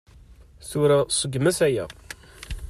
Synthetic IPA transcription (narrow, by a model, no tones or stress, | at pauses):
θuɾasˤəɡːmæsæjæ̰